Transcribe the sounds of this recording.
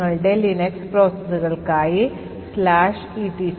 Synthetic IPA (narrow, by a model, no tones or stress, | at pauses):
ɐɭɖelinekspɾoːsesuɣɐɭkaːji | slaːʂ | iːʈi